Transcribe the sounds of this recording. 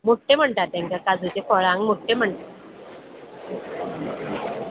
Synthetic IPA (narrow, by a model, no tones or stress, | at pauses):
moʈːem̤əɳʈat̪ɛ̃ŋkakad͡zut͡ɕekʰɔɭãŋɡmoʈːem̤əɳʈ̪a